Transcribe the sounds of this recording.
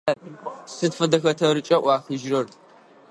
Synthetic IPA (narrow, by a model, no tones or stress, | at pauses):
sɨdfɐdɐxɐtʰɐɾɨt͡ʃʼɐʔʷɑːxɨʒrɐr